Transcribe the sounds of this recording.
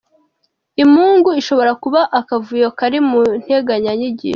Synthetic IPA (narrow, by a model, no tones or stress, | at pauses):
imhuːŋɡuiʃo̞βo̞ɾakuβaʔakavujokaɾimun̥he̞ɡaɲaɲiɟḭːʃ